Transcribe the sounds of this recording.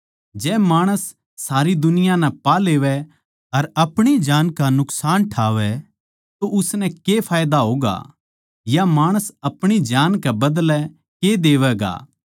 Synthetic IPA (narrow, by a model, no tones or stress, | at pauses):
d͡ʒɛːmaːɽ̃əsː | aːɾid̪ʊnɪjanɛ̃paleːʋɛ | ɐɾɐpɽ̃id͡ʒaːnkanʊksaːnʈʰaːʋɛ | t̪oʔʊsnɛ̃kepʰaːjd̪aɦoːɡa̰ | jamaːɽ̃əsɐpɽ̃id͡ʒaːnkɛbɐd̪lɛ | ked̪eːʋɛɡa̰ː